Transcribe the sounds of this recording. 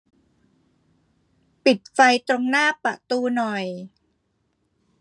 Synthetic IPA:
pi˨˩t̪̚fa˧jt̪ɾo˧ŋnaː˥˩pa˨˩ʔt̪uː˧nɔ˨˩j

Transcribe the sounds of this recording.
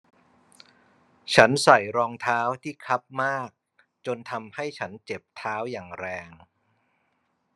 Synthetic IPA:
t͡ɕʰa˦˥nsa˨˩jɾɔː˧ŋt̪ʰaː˦˥wt̪ʰiː˥˩kʰa˦˥p̚maː˥˩k̚ | t͡ɕo˧nt̪ʰa˧mha˥˩jt͡ɕʰa˦˥nt͡ɕe˨˩p̚t̪ʰaː˦˥wjaː˨˩ŋɾɛː˧ŋ

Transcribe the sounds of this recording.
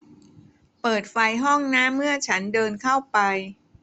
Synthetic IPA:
pɤː˨˩t̪̚fa˧jɦɔ˥˩ŋnaː˦˥mːɯ˥˩ɐt͡ɕʰa˦˥ndɤː˧nkʰa˥˩wpa˧j

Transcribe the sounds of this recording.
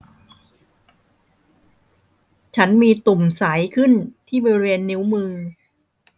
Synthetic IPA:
t͡ɕʰa˦˥nmiː˧t̪u˨˩msa˩˦jkʰɯ˥˩nt̪ʰiː˥˩bɔː˧ɾi˧weː˧nːi˦˥wmɯː˧

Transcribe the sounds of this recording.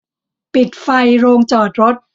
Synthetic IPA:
pi˨˩t̪̚fa˧jɾoː˧ŋt͡ɕɔː˨˩t̪̚ɾo˦˥t̪̚

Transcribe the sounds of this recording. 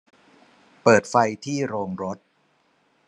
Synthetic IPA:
pɤː˨˩t̪̚fa˧jt̪ʰiː˥˩ɾoː˧ŋɾo˦˥t̪̚

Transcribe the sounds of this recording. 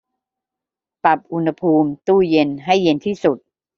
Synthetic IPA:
pa˨˩p̚ʔu˧nha˧pʰuː˧mt̪uː˥˩je˧nɦa˥˩jːe˧nt̪ʰiː˥˩su˨˩t̪̚

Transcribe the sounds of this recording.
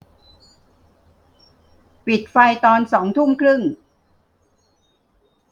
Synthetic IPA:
pi˨˩t̪̚fa˧jt̪ɔː˧nsɔː˩˦ŋt̪ʰu˥˩ŋkʰɾɯ˥˩ŋ

